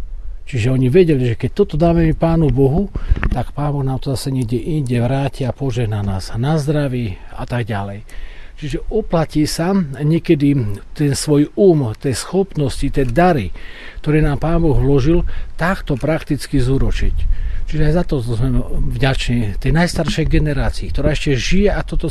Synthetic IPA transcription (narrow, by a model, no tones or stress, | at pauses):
t͡ʃiʒɛɔɲiʋɛɟɛliʒɛkɛc̚t̪ɔt̪ɔd̪aːmɛmipaːnubɔɦut̪akpaːnbɔɣnaːmt̪ɔzasɛɲiɛɡɟɛʔinɟɛʋɾaːciapɔʒɛɦnanaːznazd̪ɾaʋia̰t̪aɡɟalɛjt͡ʃiʒɛɔplaciːsaɲɛkɛd̪it̪ɛnsʋɔjuːmt̪ɛːsxɔpnɔscit̪ɛːd̪aɾikt̪ɔɾɛːnaːmpaːnbɔɣlɔʒilt̪akt̪ɔpɾakt̪it͡skizuɾɔt͡ʃḭct͡ʃiʒɛajzat̪ɔzmɛvɟat͡ʃɲit̪ɛjnajst̪aɾʃɛjɡɛnɛɾaːt͡siːkt̪ɔɾaːɛʃcɛʒijɛat̪ɔt̪ɔ